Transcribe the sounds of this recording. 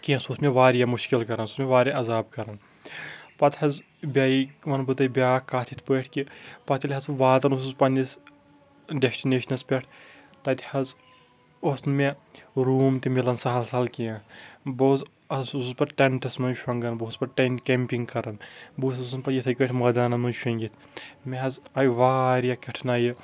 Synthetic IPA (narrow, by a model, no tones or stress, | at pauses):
kiɐ̃susmʲeʋaːɾjamuʃkilkɐɾɐnsusmʲeʋaːɾʲʔɐzaːbkɐɾɐn | pɐt̪hɐz | bʲaːiʋɐnbɨt̪ɐbʲaːkːaːt̪ʰit̪ʰpəːʈʰkipɐt̪ʲʰilʲɦɐzʋaːt̪ɐnusuzpɐnʲis | ɖesʈineːʃɐnɐspʲɛʈʰ | t̪ɐt̪ʰʲhɐz | osnmeɾuːmt̪ʲimilɐnsɐɦɐlsɐlkʲijaboːz | ɐzuzpɐɾʈeɳʈɐsmɐjʃɐŋɡɐnboːzpɐɾʈɐnkʲempʲiŋɡkɐɾɐnbuːsɐsnpɐjit̪ʰɐjkəʈʰʲmɐːd̪aːnɐmɐnʃɐŋɡʲit̪ʰ | mʲeɦɐzɐjʋaːɾjakʲɐʈʰnaːjɨ